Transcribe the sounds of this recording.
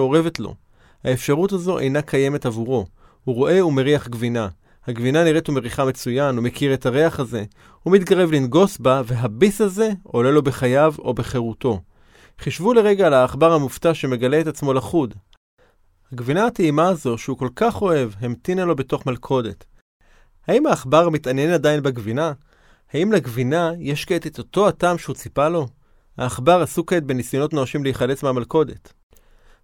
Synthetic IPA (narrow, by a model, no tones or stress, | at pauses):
oʁe̞ve̞tlo̰ | haefʃaʁutazo̞ʔḛjnakʰaje̞me̞tavuʁo̞ | huʁo̞ʔe̞ume̞ʁiaχɡvina | haɡvinaniʁetumeʁiχame̞t͡sujanume̞kiʁe̞thaʁe̞aχaze̞ | humit̪ɡaʁe̞vlinɡo̞sbaveɦabisaze̞o̞le̞lo̞be̞χajavo̞̰beχe̞ʁuto̞ | χiʃvule̞ʁe̞ɡaːlaːχbaʁhamuftaʃe̞me̞ɡaleːtat͡smo̞laχud | haɡvinaːteimazo̞ʃeuko̞lkaχo̞e̞vɦemtinalo̞be̞to̞χmalkʰo̞de̞t | haimhaːχbaʁmitanje̞nadainbeɡvina | haimleɡvinajeʃket̪et̪oto̞ataːmʃeut͡sipalo̞ | ha̰ːχbaʁasuketbenisjono̞tnoaʃimleiχale̞t͡smeamalko̞de̞̰t